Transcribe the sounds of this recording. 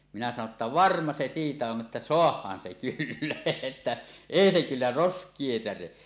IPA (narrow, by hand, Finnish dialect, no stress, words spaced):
minæ sɑno tːɑ ʋɑrmɑ se siːtæ on ʔetːæ soɑhˑɑːn se kylːæ etːæ eˑi se kylːæ roskˑie sære